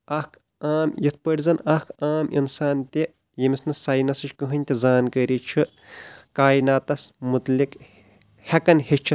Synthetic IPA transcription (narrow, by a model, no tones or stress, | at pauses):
ɐhkʰ | aːmjit̪ʰpəɽʲzɐnɐkʰaːmḭnsaːnt̪ʲe | jimisnɨsaːjnɐsɨt͡ʃʰʲkɨɦɨnʲt̪ʲizaːnkəɾit͡ʃʰi | kaːjinaːt̪ɐsmut̪lik | hɐkɐnhet͡ʃʰɨ